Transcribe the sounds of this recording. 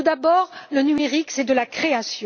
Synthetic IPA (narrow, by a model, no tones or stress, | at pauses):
ud̪abɔʁlənymeʁiksɛd̪əlakχeasjɔ̃